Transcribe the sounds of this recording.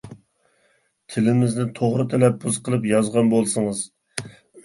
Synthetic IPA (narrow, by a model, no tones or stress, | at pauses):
t̪ʰɪlɪmɪznɪt̪ʰoʁɾɨt̪ʰɛlɛpːuzqʰəlˠɨpjɑzʁɑnbolˠsɨŋɨz